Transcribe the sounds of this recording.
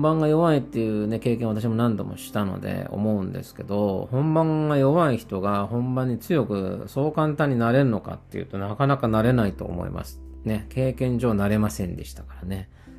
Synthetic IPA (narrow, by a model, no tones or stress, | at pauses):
bãŋɡajo̞βait̪ːejɯ̟ːne̞ke̞ːkẽβat̪̬aɕ̬imo̞nãnd̪o̞mo̞̰ɕi̥t̪ano̞̰d̪ḛo̞̰mo̞ɯ̟̃nd̪e̞̰sɨ̥ke̞d̪o̞hõ̞mbãŋɡajo̞βaiçi̥t̪o̞ɡahõ̞mbãɲ̟ːit͡sɨjo̞kɯ̟̰so̞ːkãnt̪ãɲ̟ːinaɾe̞ɾɯ̟no̞ka̰t̪ːe̞jɯ̟̰ːt̪o̞nakanakanaɾe̞nait̪o̞̰ːmo̞̰ḭma̰sɨ̥ne̞kʰe̞ːkẽ̞ɲ̟d͡ʑo̞ːnaɾe̞masẽ̞nd̪e̞ɕi̥t̪ḁkaɾane̞